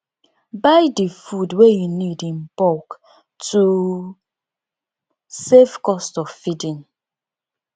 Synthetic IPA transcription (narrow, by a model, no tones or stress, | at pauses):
baɪdəfudwejunidĩmpɔk | tʰu | sefkɔstɔvfidĩn